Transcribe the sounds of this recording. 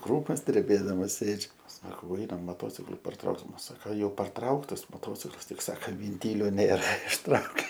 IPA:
ˈkruːmoːs dʲrʲɛˈbʲeːdɐmɐs ˈsʲeːd͡ʒʲʊ ˈsɑːkɐʊ ˈɐɪnɐm moːˈtoːt͡sʲɪklˠʊ pɐrˈtrɐʊksʲɪm ˈsɑːkɐ jɛʊ pɐrˈtrɐʊktɐs moːˈtoːt͡sʲɪklˠɐs ˈtʲɪk ˈsɑːkɐ ʋʲɪnʲˈtʲiːlʲoː ˈnʲeːrɐ ɪʃˈtrɐʊkʲeː

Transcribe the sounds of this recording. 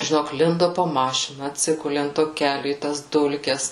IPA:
ʒʲɪˈnoːk ˈlʲɪndoː poː ˈmɑːʃʲɪnɐ ɐtʲˈsʲɪɡʊlʲɪ ɐnt ˈtoː ˈkʲæːlʲʊ iː tɐs ˈdʊlʲkʲɛs

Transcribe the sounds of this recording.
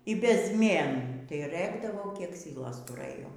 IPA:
iː bʲɛzʲˈmʲeːnuː tɐɪ ˈrɘɡdɐʋoː kʲiɛk ˈsʲiːlˠoːs tʊˈrɘjoː

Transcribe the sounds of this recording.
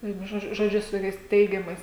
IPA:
ˈʋʲiɛnʊ ˈʒoːd͡ʒʲʊ ʒoːˈd͡ʒʲʊ sʊ ˈtoːkʲɛɪs ˈtʲɛɪɡʲɛmɐɪs

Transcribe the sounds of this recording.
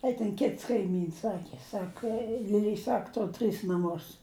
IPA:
ɐɪ tʲɛn ˈkʲɪts kɐɪˈmʲiːns ˈsɑːkʲɪ ˈsɑːkɐ lʲɪˈlʲɛɪ ˈsɐk ˈtoːr tʲrʲɪs nɐˈmʊs

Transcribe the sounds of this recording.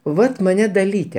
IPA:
ˈʋɐt mɐˈnʲɛ dɐˈlʲiːtʲɛ

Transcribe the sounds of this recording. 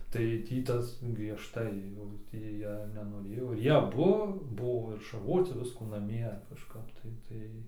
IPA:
tɐɪ ˈtʲiː ˈtɐs ɡrʲiɛʃˈtɐɪ jɛʊ ˈtʲiː ˈjiɛ nʲɛnoːˈrʲeːjoː ɪr ˈjiɛ ɐˈbʊ ˈbʊʋoː ɪr ʃɐrˈʋoːt͡sʲɪ ˈʋʲɪskuː nɐˈmʲiɛ kɐʃˈkɐp tɐɪ ˈtɐɪ

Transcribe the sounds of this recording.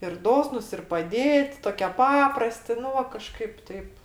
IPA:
ɪr ˈdoːsnʊs ɪr pɐˈdʲeːtʲ ˈtoːkʲiɛ ˈpɑːprɐsʲtʲɪ ˈnʊ ʋɐ kɐˈʃkɐɪp ˈtʲɛɪp

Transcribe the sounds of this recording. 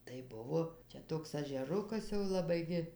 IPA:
tɐɪ ˈbʊʋoː ˈt͡ʃʲɛ toːks ɐʒʲɛˈrʊkɐs jɛʊ lˠɐˈbɐɪ ɡʲɪ

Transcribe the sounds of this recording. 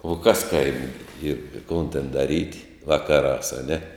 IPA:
oː ˈkɐs ˈkɐɪmʲeː ˈiːr ɪ ˈkoːn tʲɛn dɐˈrʲiːt ˈʋɑːkɐˌrɑːs ɐˈnʲɛ

